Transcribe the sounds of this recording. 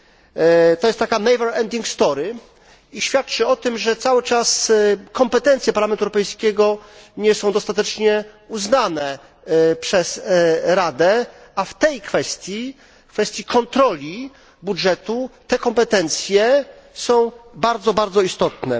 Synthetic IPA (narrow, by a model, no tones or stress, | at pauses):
t̪ɔjst̪t̪ːakanɛjvɛɾɛnd̪iŋkst̪ɔɾɘ | iɕfʲjat̪̚t͡ʂɘɔt̪ɘmʐɛt̪sawɘt͡ʂaskɔmpɛt̪ɛ̃nt̪sʲjɛpaɾlamɛnt̪uɛwɾɔpɛjskʲɛɡɔɲɛsɔ̃w̃d̪ɔst̪at̪ɛt͡ʂɲɛuznanɛ | pʂɛsɾad̪ɛaft̪ɛjkfɛst̪ʲji | kfɛst̪ʲjikʰɔnt̪ɾɔlʲi | budʐɛt̪ut̪ɛkɔmpɛt̪ɛnt̪sʲjɛ | sɔ̃w̃baɾd̪zɔbaɾd̪zɔist̪ɔt̪nɛ̰